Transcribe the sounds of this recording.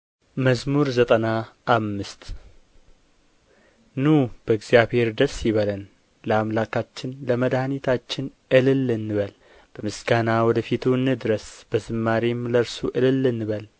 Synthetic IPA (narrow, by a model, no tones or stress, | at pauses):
məzmuɾzət̪ʼənaʔːmːɨst̪ | nub̥əɨɡzijaβhe̞ɾd̪əsjɪβələn | ləamlakʰat͡ʃːɪnləməd̪hanit̪ʰat͡ʃːɪnʔɨlɨlːɨnːɨβəl | b̥əmɨsɡanawɔd̪əfit̪ʰuɨnɨd̪ɨɾəsb̥əzɨmːaɾimləɾsuʔɨlɨlːɨnːɨβəl